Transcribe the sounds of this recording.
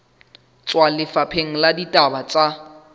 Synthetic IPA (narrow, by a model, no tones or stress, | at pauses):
t͡sʼwalɪfapʰeŋ̩laditʼabat͡sʼa